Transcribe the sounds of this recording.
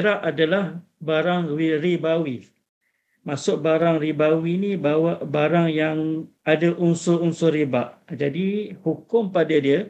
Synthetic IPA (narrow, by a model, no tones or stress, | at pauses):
ɾaʔadalahbaɾaŋiɾibawi | masʊk̚baɾaŋribawinibawaʔbaɾaŋjaŋ | adaʔunsʊunsʊɾibaʔd͡ʒadihukʊmpadadiə